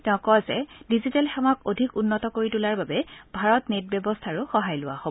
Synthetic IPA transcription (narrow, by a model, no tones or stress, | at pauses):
tɛʊ̃kɔzɛdizitɛlxɛwakodʱikunːɔtɔkoɹitulaɹbabɛb̥ʱaɹɔtnet̚bjɛbɔstʰaɹʊxɔɦajlʊwa̰hobɔ